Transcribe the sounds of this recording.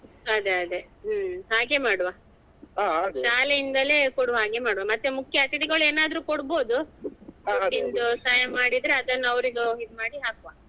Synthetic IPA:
ɐd̪eɐd̪eɦɦaːɡe̞maːɽʋaː | aʃaːlejind̪ɐlekoɽuʋɦaːɡe̞maːɽʋamɐt̪ːemukʰjɐɐt̪it̪iɡɐɭueːnaːd̪ɐɾuːkoɽbo̞ːd̪u | ɐːind̪usaːjɐmːaːɽid̪ɾeɐd̪ɐnːɐʋɾiɡ̪uid̪maːɽiɦaːkʋaː

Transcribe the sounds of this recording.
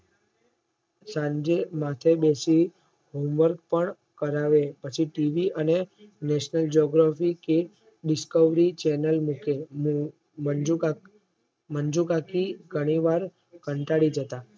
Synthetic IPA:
sãd͡ʒemat̪ʰebesi | ɦomʋəɾɡpəɳ | kəɾaʋepət͡ʃʰiʈiʋiʔənenɛʃnəld͡ʒoɡɾafike | ɖɪskəʋɾit͡ʃɛnəlmuke | mənd͡ʒukakiɡʱəɽ̃iʋaɾ | kəɳʈaɽid͡ʒət̪a

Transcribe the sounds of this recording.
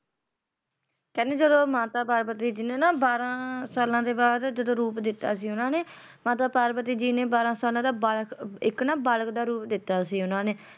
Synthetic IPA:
kɛ̃ːneːd͡ʒəd̪õːmaːt̪aːpaːɾpət̪iːd͡ʒɪnẽːnaːbaːɾãːsaːlãːd̪eːbaːd̪d͡ʒəd̪õːɾuːpd̪ɪt̪ːaːsiːʊnãːneː | maːt̪aːpaːɾpət̪iːd͡ʒiːneːbaːɾãːsaːlãːd̪aːbalkɪknãːbalkd̪aːɾuːpd̪ɪt̪ːaːsiːʊnãːneː

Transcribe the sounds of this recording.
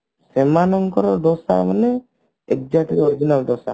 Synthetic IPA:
semanɔŋkɔɾɔd̪ɔsa̰manɛ | ek̚d͡ʒat̪iɾoɾid͡ʒinald̪ɔsa̰

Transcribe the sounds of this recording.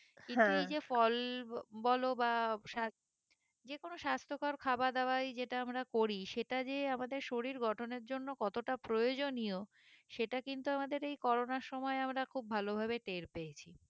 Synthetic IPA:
kiuejd͡ʑefɔlbɔlobaʃa | d͡ʑekonoʃast̪ʰokaɾkʰabad̪awajd͡ʑeʈaamɾakoɾiʃeʈad͡ʑeamad̪eɾʃoɾiɾɡɔʈʰoneɾd͡ʑonːokɔt̪oʈapɾojod͡ʑonio | ʃeʈakint̪uamad̪eɾejkɔɾonaɾʃɔmɔeamɾakʰub̚ʱalobʱabeʈeɾpeet͡ɕʰi

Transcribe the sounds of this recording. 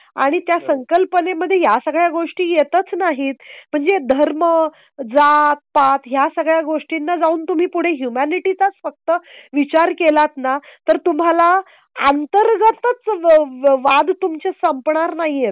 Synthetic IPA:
a̰ɽ̃it̪jasəŋkəlpəneməd̪ʱːjejasəɡɭjaɡoʂʈiːjet̪ət͡snaɦiːt̪m̤əɳd͡zed̪ʱəɾmə | d͡zat̪̚pat̪ɦjasəɡɭjaɡoʂʈinːad͡zauːnt̪um̤iːpuɽ̤eɦjumaniʈit͡sat͡sfək̚t̪əʋit͡ɕaɾkelat̪nat̪əɾt̪um̤ala | ant̪əɾɡat̪ət͡s | ʋad̪t̪umt͡ɕesəmpɳaɾnaɦiet̪̚

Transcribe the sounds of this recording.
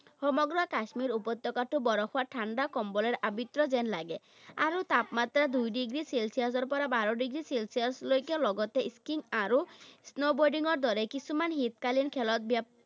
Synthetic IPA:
hɔmɔɡɾɔakasmiɾupɔt̪ːɔkaʈʰubɔɾɔxʰoaʈʰaɳɖakɔmbɔleɾabit̪ɾɔzenlaɡe | a̰ɾut̪apmat̪ɾad̪ujɖiɡɾiselsiasɔɾpɔɾabaɾɔɖiɡɾiselsiaɾslojkjɔlɔɡɔt̪eiskiŋaɾusnobɔɖiŋɔɾd̪ɔɾekisʰumanɦit̪kalinkʰɛlɔt̪̚bjap̚

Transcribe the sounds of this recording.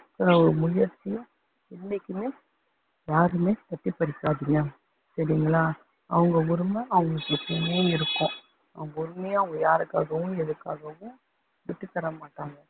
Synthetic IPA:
sɐnɐɔɾɯmʊɻɪjɐɾt͡ʃːɪjʊ̃ | ɪnːɛkːɯmeː | jaːɾɯmeːpɐʈːipɐɾɪkːaːðɯŋɡɐ | sɐɾɪŋɡɐɭaː | ɐʋɐŋɡɐʊɾɯmɐɐʋɐŋɡɐpɐʈːɪmeːj̃ɪɾɯkːʊ̃ | ɐʋɐŋɡɐʊɾɯmejɐʋɐŋɡɐjaːɾɯkːaːɣɐʋʊ̃ɛðɯkːaːɣɐʋʊ̃ | ʋɪʈːɯt̪ːɐɾɐmaːʈːaːŋɡɐ

